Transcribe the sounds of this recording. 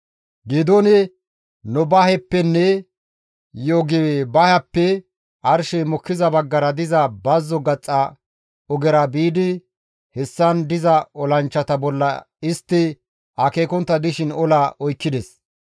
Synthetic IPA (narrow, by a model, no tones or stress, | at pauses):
ɡiːd̪onɛ | nʊbɐhɛpːɛnːɛ | joɡɛbɐhɐpːɛ | ʔɐɾʃɛmɔkːɪzɐbɐɡːɐɾɐd̪ɪzɐbɐzːɔɡɐt͡sʼːɐ | ɔɡɛɾɐbiːd̪ɪ | hɛsːɐnd̪ɪzɐɔlɐnt͡ʃːɐt̪ɐbɔlːɐ̰ | ɪst̪ːɪ | ɐkeːkɔnt̪ːɐd̪ɪʃɪnɔlaʔɔjkːɪd̪ɛs